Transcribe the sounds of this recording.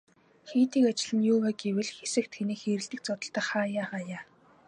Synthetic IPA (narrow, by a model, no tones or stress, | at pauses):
xiːt̪iːkat͡ɕɪ̆ɮɘ̆njʊːwaːɡewɘ̆ɮxesɘ̆k̚t̪xʰeniːxeːɾɘ̆ɬt̪ɘ̆k̚t͡sɔt̪ə̆ɬt̪ăːχaːjaːχaːjaː